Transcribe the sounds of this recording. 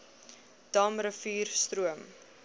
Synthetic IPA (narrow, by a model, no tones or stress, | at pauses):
d̥ɐmrəfiːrstɾuəm